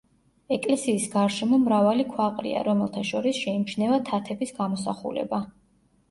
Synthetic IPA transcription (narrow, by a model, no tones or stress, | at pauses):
ɛkʼlɛsiːsɡaɾʃɛmɔmɾavalikʰwaqʼɾḭa̰ɾɔmɛlˠt̪ʰaʃɔɾisʃɛimt͡ʃʰnɛvat̪ʰat̪ʰɛbisɡamɔsa̰χṵlɛ̰ba